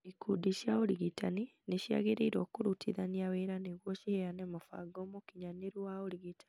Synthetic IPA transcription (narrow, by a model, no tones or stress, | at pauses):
ikʰudiʃjaoɾiɣitanineʃja̰ɣeɾiɾoːkuɾutʰiðaniaweɾaneɣwoʃieanemofa̰ɡomokiɲaneɾwaoliɣitḁ